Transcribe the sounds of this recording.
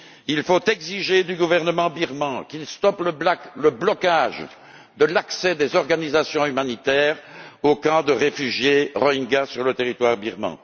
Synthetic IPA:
ilfot̪ɛɡziʒed̪yɡuvɛʁnəmɑ̃biʁmɑ̃kilst̪ɔplələblɔkaʒ | d̪əlaksɛd̪ezɔʁɡanizasjɔ̃ymanit̪ɛːʁokɑ̃d̪əʁefyʒjeʁɔiŋɡasyʁlət̪eʁit̪waʁbiʁmɑ̰̃

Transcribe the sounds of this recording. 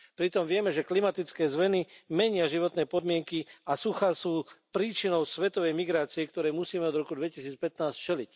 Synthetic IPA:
pɾit̪ɔmʋɪɛmɛʒɛklimat̪it͡skɛːzmɛnimɛɲɪaʒiʋɔt̪nɛːpɔd̪mɪɛŋkiasuxasuːpɾiːt͡ʃinɔʊsʋɛt̪ɔʋɛjmiɡɾaːt͡siɛkt̪ɔɾɛːmusiːmɛɔd̪ɾɔkud̪ʋɛcisiːt͡spɛt̪naːst͡ʃɛlic

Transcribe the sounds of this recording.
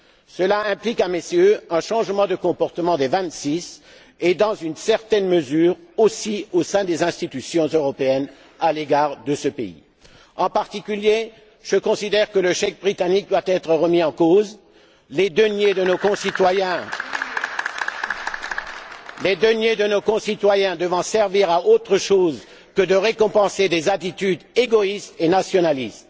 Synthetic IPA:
səlaɛ̃plikamesjøɛ̃ʃɑ̃ʒmɑ̃d̪əkɔ̃pɔʁt̪əmɑ̃d̪evɛ̃t̪sis | ed̪ɑ̃zynsɛʁt̪ɛnməzyːʁosiosɛ̃d̪ezɛ̃st̪it̪ysjɔ̃zøʁɔpeɛn | aleɡaʁd̪əsəpeḭ | ɑ̃paʁt̪ikʲylje | ʒ̥əkɔ̃sid̪ɛʁkələʃɛkbʁit̪anik̚d̪wat̪ɛt̪χəʁəmiɑ̃koz | led̪ənjed̪ənokɔ̃sit̪wajɛ̃ | led̪ənjed̪ənokɔ̃sit̪wajɛ̃d̪əvɑ̃sɛʁviʁaʔot̪χəʃoz | kəd̪əʁekɔ̃pɑ̃sed̪ezat̪it̪yd̪eɡɔist̪enasjɔnalist̪

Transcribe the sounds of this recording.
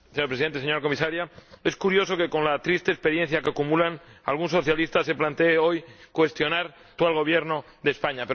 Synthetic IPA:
seɲoɾpɾesient̪eseɲoɾako̞misaɾjae̞skuɾjo̞so̞ke̞ko̞nlat̪ɾist̪eːspe̞ɾjẽ̞n̟θjakeakumulana̰lɣ̞unso̞θjalist̪ase̞plant̪eːo̞jkwe̞st̪jo̞naɾ | t̪ualɣ̞o̞β̞jeɾno | ðe̞spaɲape

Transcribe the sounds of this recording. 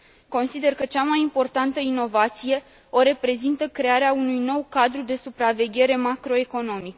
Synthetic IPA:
ko̞nsid̪e̞rkət͡ʃamajimpo̞rt̪ant̪əino̞vat̪sije̞ | o̞ɾe̞pɾe̞zint̪əkɾe̞aɾeaunujno̞wkad̪ɾud̪e̞supɾave̞ɡʲe̞ɾe̞makɾo̞e̞ko̞no̞mik

